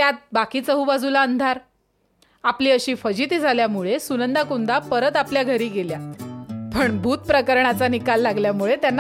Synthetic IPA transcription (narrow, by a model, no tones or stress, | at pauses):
t̪jat̪̚bakiːt͡səɦubad͡zulaənd̪ʱaɾ | apliːəɕiːfəd͡ʑit̪id͡zʱaljamuɭesunənd̪akund̪apəɾət̪apljaɡʱəɾiːɡeljapəɳbʱuːt̪pɾəkəɾɳat͡sanikalːaɡljamuɭet̪janː